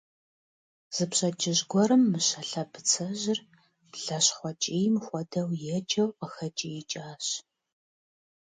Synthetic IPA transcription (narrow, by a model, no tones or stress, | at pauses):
z̥ɨpɕʼɐd͡ʒʼɪʑɡʷɔɾɨmːɨɕɐɬɐbʰɨt͡sʰɐʑɪr | b̥ɮɐɕχʷɔt͡ʃʼijmxʷɔdɐwjɛt͡ʃʼɐwqəxɐt͡ʃʼijɛt͡ʃʼaːɕ